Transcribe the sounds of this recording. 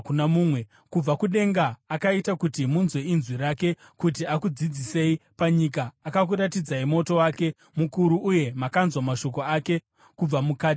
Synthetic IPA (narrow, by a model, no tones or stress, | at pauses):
kunamuːmwe̞ | kub͡vakuɗe̞ŋɡaːkaitakutimunzweinzwiɾake̞ | kutiakud͡zid͡zise̞ipaɲik̬aːkak̬uɾatid͡zaimo̞to̞wake̞ | mukuɾuʔːje̞makanzwamaʃo̞ko̞ake̞ | kub͡vamukaːti̥